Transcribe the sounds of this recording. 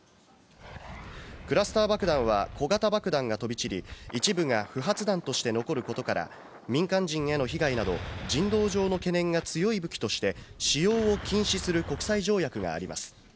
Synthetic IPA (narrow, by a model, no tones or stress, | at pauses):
kɯ̟ɾasɨ̥t̪aːbakɯ̟d̪ãɰ̃β̞ako̞ɡat̪abakɯ̟d̪ãŋɡat̪o̞bʲit͡ɕiɾʲḭit͡ɕibɯ̟ŋaɸɯ̟ɦat͡sɨd̪ãnt̪o̞ɕi̥t̪e̞no̞ko̞ɾɯ̟ko̞t̪o̞kaɾa̰ | mʲĩŋkãɲd͡ʑĩŋeno̞çiɡainad̪o̞̰d͡ʑĩnd̪o̞ːʑo̞ːno̞ke̞nẽ̞ŋɡat͡sɨjo̞ibɯ̟kʲi̥t̪o̞ɕi̥t̪e̞ɕijo̞ːokʲĩɰ̃ɕisɨɾɯ̟ko̞kɯ̟̥saiʑo̞ːjakɯ̟ɡa̰ːɾʲima̰sɨ̥